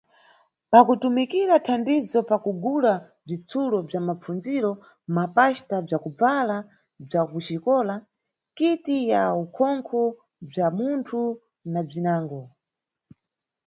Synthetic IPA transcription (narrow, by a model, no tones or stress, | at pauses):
pakutumikiɾatʰandizɔpakuɡula | b͡ʐit͡sʰulɔb͡ʐamap͡fund͡ziɾɔ | mapaʃtab͡ʐakub͡vala | b͡ʐakut͡ʃikɔːla | kitijaukʰɔŋkʰɔ | b͡ʐamuntʰu | nab͡ʐinaːŋɡɔ